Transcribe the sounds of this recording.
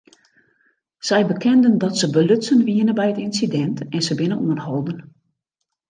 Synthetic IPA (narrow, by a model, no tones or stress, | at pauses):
sɛjbəkʰɛndəndɔtsəbəløtsənʋiənəbɛjətinsidɛntɛnsəbɪnənṵənhɔlˠdən